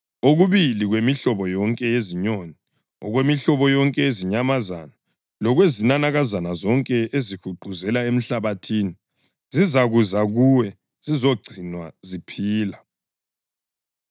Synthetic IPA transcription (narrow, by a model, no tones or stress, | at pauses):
oɣuβiliɣwemiɬɔβɔjɔŋkʼɛjeziɲoni | ɔ̰ɣwemiɬɔβɔjɔŋkʼɛeziɲamaza̰na | lɔɣwezinanaɣazanazɔŋkʼɛʔezihʰuɡ͡ǃʱuzɛlaem̩ɬaβatʰiːni | zizaɣuzaɣuwɛ | z̥izɔɡ͡ǀʱinwazipʰiːla